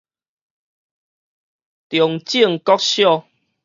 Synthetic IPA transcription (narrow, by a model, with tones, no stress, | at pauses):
t̪jɔ˨ŋt͡ɕi˥˨əŋkɔ˦k̚ɕjɔ˥˧˨